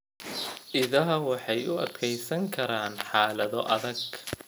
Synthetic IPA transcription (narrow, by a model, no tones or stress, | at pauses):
ʔɪðɐɦɐwɑħɑjʊɐd̪kʰɛjsɐŋkʰɐɾaːnħɑːlɐðɔʔɐðɐɡ